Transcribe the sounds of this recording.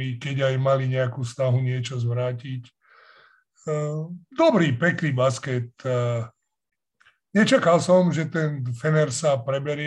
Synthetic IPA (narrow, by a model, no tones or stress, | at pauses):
ikɛɟajmaliɲɛakuːsnaɦuɲɪɛt͡ʃɔzʋɾaːcic | d̪ɔbɾiːpɛkniːbaskɛt̪ | ɲɛt͡ʃakalsɔmʒɛt̪ɛnfɛnɛɾsapɾɛbɛɾɪɛ